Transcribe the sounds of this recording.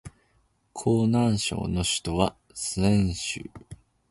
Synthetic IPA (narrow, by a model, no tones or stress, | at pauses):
kʰo̞ːnãɰ̃ɕo̞̰ːno̞ɕi̥t̪o̞βa | sɨẽɰ̃ɕɨ̰